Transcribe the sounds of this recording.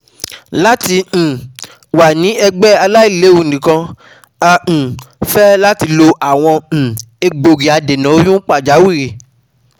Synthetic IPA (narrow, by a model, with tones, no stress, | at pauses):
la˦tĩ˧˨ | wa˨nĩ˨˦ɛ˧ɡ͡bɛ˦a˧la˦i˦˨le˨˦u˦˨dĩ˨kã˧ | ã˧˨fɛ˦la˦ti˧lo˧ʔa˨w̃ɔ̃˧˨ | e˧ɡ͡bo˨ɾi˨a˨de˨nã˨˦o˧˦jũ˦k͡pa˦˨d͡ʒa˨˦wi˦˨ɾe˨